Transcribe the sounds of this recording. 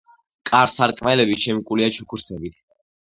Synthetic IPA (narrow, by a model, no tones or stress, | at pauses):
kʼaɾsaɾkʼmɛlɛbit͡ʃʰɛmikʼuliat͡ʃʰukʰuɾt̪ʰɛbit̪ʰ